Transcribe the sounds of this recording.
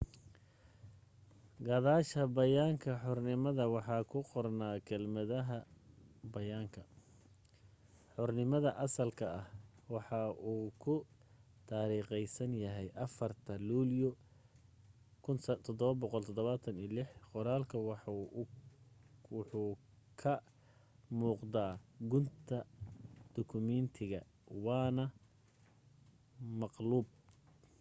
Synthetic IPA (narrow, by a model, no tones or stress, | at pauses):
ɡɑðaːʃɐbɐjaːŋkʰɐħɔrnɪmɐðɐwɑħɑːkʰʊqɔrnaːkʰɛlmɐðɐɦɐbɐjaːŋkʰɐ | ħɔrnɪmɐðɐʔɐsɐlkʰɐɐh | wɑħɑʔuːkʰʊ | t̪ʰaːɾiːqɛjsɐnjɐɦɛjʔɐfɐrt̪ʰɐluːljɔ | kʰʊnsɐt̪ʰɔd̪ɔβɐbɔqɔlt̪ʰɔd̪ɔβaːt̪ʰɐniːlɪħqɔɾaːlkʰɐwɑħ | wħuː | kʰɐ | muːqd̪aːɡʊnt̪ʰɐd̪̥ɔkʰʊmɛnt̪ʰɪɣɐ | wɑːnɐ | mɑqluːb̚